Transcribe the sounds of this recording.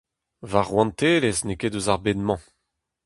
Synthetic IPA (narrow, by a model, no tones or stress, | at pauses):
vaʁwɑ̃nt̪eːlesnekeduzaʁbenmɑ̃